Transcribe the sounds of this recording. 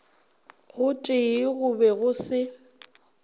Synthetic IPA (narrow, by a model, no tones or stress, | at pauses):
ɣʊtʼɪɣʊbɛɣʊsɪ